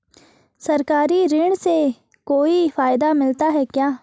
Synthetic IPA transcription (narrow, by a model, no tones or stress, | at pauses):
sɐɾkaːɾiɾɪɽ̃se | koːifaːɪd̪amɪlt̪aɦɛkjaː